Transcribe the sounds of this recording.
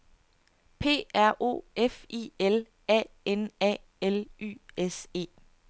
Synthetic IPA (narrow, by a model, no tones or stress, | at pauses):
pʰe̝̰ːæɐ̰ʔo̝̰ːefḭːel | ɛ̰ː | enɛ̰ː | ely̰ːese̝̰ː